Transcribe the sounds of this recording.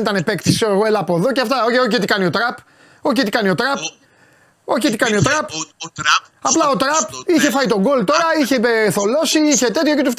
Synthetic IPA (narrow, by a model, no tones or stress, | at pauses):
nit̪ɐne̞pe̞kt̪isoɣoelɐpoðoceɐft̪ɐoçeoçet̪ikɐnio̞t̪ɾɐp | o̞çet̪ikɐniot̪ɾɐp̚ | o̞çet̪ikɐnio̞t̪ɾɐp | ɐplɐo̞t̪ɾɐpiçe̞fɐit̪o̞ɡo̞lt̪o̞ɾɐiçe̞eθo̞lo̞siiçe̞t̪e̞t̪çocet̪uft̪